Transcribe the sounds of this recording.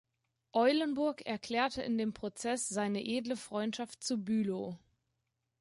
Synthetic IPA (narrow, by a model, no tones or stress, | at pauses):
ʔɔʏlənbʊɐkɛɐkʰl̥ɛːɐtʰəʔɪndeːmpʁ̥ot͡sɛsz̥aɪnəʔeːdləfʁ̥ɔʏntʃaft̚t͡subyːlo